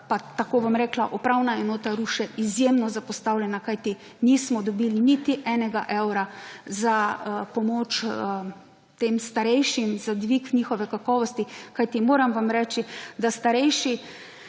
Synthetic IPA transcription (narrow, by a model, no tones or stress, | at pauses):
pat̪akoːʋamɾɛːklaʔɔpɾawnaɛnɔːt̪aɾuʃɛʔizjeːmnɔzapɔst̪awlʲjɛnakajt̪i | niːsmɔd̪ɔbiːlinit̪iʔɛːnɛɡaʔɛwɾazapɔmoːt͡ʃə | t̪eːmst̪aɾɛjʃimzad̪ʋikniːxɔʋɛkakɔːʋɔst̪ikajt̪imoːɾamʋamɾɛːt͡ʃid̪ast̪aɾɛjʃi